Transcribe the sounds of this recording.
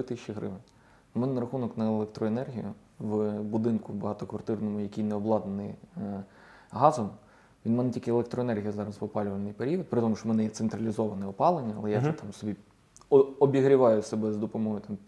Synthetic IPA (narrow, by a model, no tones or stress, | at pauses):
ɪt̪ɪʃʲːiɦɾɪ̰ʋɪnʲ | mɛnɛnɐɾɐxunɔknɐelˠekt̪ɾɔenɛrɦʲijʊ̰ | ʋbʊd̪ɪnkʊbɐɦɑt̪ɔkʋɐrt̪ɪrnɔmʊjɐkʲijnɛɔblˠɑd̪nenɪ̰j | ɦɑzɔm | ʋʲinmɛnɛtʲilʲkɪelˠekt̪ɾɔenɛrɦʲijɐzɑɾɐspɔpɑlʲʊʋɐnɪjpeɾʲiʋit̪̚pɾɪt̪ɔmʊʃt͡ʃɔmɛnɛjɛt̪sent̪ɾɐlʲizɔʋɐnɛɔpɑlˠenʲːɐɐ̰lˠɛjaʐɛt̪ɑmsɔbʲi | ɔbʲiɦɾʲɪʋɑjʊsebɛzd̪ɔpɔmɔɦɔjt̪ɑmʲ